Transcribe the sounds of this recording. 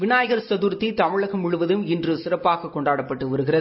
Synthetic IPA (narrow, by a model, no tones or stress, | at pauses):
ʋɪnaːjɐɣɐɾsɐðuːɾt̪ːit̪ɐmɪɭɐɣɐmʊɻʊʋɐðɯmɪndrɯsɪrɐpːaːɣɐkːɔɳɖaːɽɐpːɐʈːɯʋɐɾɯɣɪrɐðɯ